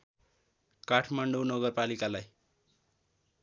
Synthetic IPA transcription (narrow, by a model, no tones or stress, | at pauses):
kaʈʰmaɳɖownʌɡʌrpalikalaj